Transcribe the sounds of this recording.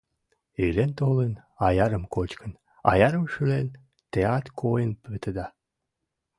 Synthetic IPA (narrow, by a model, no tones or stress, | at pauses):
elent̪olenɑjɑɾəmkot͡ɕkə̆n | ɑ̰jɑɾə̆mʃylen | t̪eɑt̪kʰojənpet̪əd̪ɑ